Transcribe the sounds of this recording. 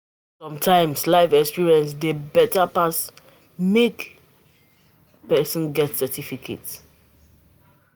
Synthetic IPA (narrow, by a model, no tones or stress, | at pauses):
sɔ̃mtʰãɪ̃mslaɪfɛkspiɹiɛ̃ns̬debɛtapas | mek | pɛsɔ̃nɡɛtsɛtʰifikʰḛts